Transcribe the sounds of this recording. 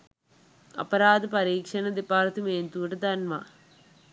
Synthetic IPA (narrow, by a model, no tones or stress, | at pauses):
ɐ̰pɐɾaːd̪ɨpɐɾiːkʂɐnɐd̪ipaːɾt̪umeːnt̪uːʈɐd̪ɐnma̰